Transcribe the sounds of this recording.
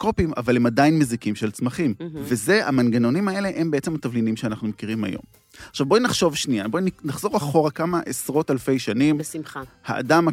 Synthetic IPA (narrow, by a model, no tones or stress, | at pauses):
kopima̰valemadajnmezikimʃelt͡smaχimveze̞ʔamanɡano̞nimae̞le̞ʔembeet͡se̞mat̪avlinimʃeanaχnumekiʁima̰jo̞̰m | aχʃavbojnaχʃo̞vʃnijaboinnaχz̥o̞ʁaχo̞ʁakamaʔesʁo̞talfe̞jʃanimmaha̰a̰dam